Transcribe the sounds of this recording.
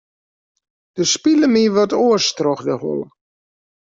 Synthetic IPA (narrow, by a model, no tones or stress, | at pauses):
d̥əspiləmiʋɔtoəstrɔxdəhɔ̰lə̰